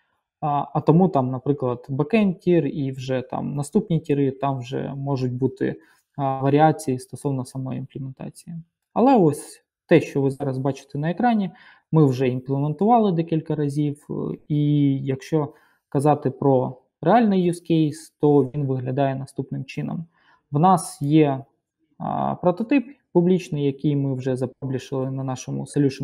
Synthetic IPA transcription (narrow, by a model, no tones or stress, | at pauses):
ɐt̪ɔmut̪ɑmnɐpɾɪklˠɐd̪̥bɐkɛnkʲiriwʒɛt̪ɑ̰mnɐst̪upnʲitʲiɾɪt̪ɑmwʒɛ̰mɔʒʊt̚ʲbut̪ɪ̰ | ʋɐɾʲɪɑt͡sʲijist̪ɔsɔwnɐsɐmɔjinplʲˠɪment̪ɑ̰t͡sʲiji | ɐlˠɛɔsʲ | t̪ɛʃt͡ʃɔʋɪzɑɾɐzbɑt͡ʃɪ̥t̪ɛnɐekɾɑnʲi | mɪwʒɛinplˠement̪ʊʋɑlˠɪd̪ɛkʲilʲkɐɾɐzʲiwijɐkʃt͡ʃɔ | kɐzɑt̪ɪpɾɔ | reɑlʲnɪjːuskʲejst̪ɔʋʲinʋɪɦlʲɐd̪ɑjɛnɐst̪upnɪmt͡ʃɪnɐ̰m | ʋnɑsjɛ̰ | pɾɔt̪ɔt̪ɪppublʲit͡ʃnɪjɐkɪjmɪwʒɛzɐpɔblʲiʃɪlˠɪnɐnɑʃɔmʊ̰sɔlʲuʃn